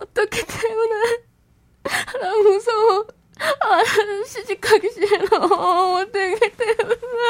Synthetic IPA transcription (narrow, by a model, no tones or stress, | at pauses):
ʌt͈ʌkʰetemune | namusʰo | aaɾɕʰid͡ʑikʰaɡeɕienaːt͈ʌkʰetemune